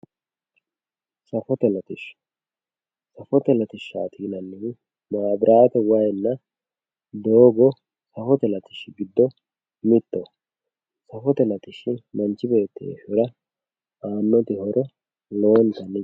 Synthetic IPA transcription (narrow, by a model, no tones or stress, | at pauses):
sɐfɔt̪ɛlɐt̪ɪʃ | sɐfɔt̪ɛlɐt̪ɪʃːa̰ːt̪ʰiːnɐnːɪ | maːbɾʔaːt̪ɛwɐjnːɐ | d̪oːɡɔ | sɐfɔt̪ɛlɐt̪ɪ̥ʃɡɪd̪ːɔ | mɪt̪ːɔ | sɐfɔt̪ɛlɐt̪ɪʃːɪmɐnt͡ʃːɪbe̞ːt̪ːḛʃʊɾɐ | aːnːɔt̪ɪhɔɾʔɔ | loːnt̪ɐnːɪ